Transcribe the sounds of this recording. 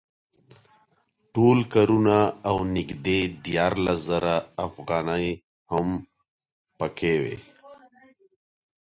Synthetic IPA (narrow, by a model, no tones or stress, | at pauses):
ʈoːlkaɾunaawnɪkd̪ed̪jaːɾlaszaɾaːfɣaːnəj | həm | pəkewḛ